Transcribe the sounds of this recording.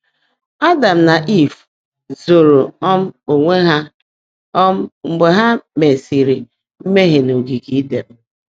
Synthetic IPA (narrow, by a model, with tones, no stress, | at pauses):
a˦da˨m̩˨na˨ʔi˦˨f | zo˨ɾo˨ɔ˦m̩˦o˨ŋʷe˦ɦa˦ | ɔ˦m̩˦ŋ͡m̩˨ɡ͡be˨ɦa˦me˨si˨ɾi˨ | m̩˦me˦ɦe˨no˨ɡi˨ɡi˦de˨m̩˦